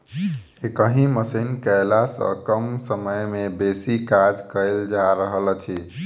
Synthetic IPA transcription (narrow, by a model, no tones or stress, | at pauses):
ekəɦĩməsinkəjlasə̰kəmsəməjmebesikad͡ʒkəld͡ʒaɾəɦəlt͡ʃʰi